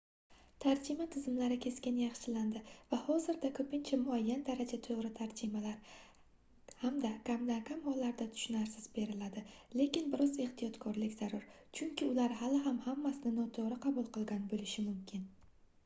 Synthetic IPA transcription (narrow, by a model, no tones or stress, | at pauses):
t̪ʰaɾd͡ʒɪmat̪ʰɪzɪmlaɾɪkʲʰe̞skʲɪnjɑχʃɪland̪ɪvahɒzɪɾd̪akʰɵpɪnt͡ʃʰamʊajːand̪aɾad͡ʒat̪ʰoʁɾɪt̪ʰaɾd͡ʒɪmalaɾ | hamd̪akamd̪akʰamhɒlːaɾd̪at̪ʰʊ̥ʃʊnaɾsɪz̥be̞ɾɪlad̪ɪle̞kʲɪnbɪɾʔɒze̞χt̪ʰijɒt̪kʰɒɾlɪkʲz̥aɾʊɾ | t͡ʃʰʊŋkʲʰɪʊlaɾɦalɪɦamhamːasɪnɪnɒt̪ʰoɾɪqʰɑbʊlˠqɨlˠɡʲanbolɪʃɪmʊmkʲʰɪn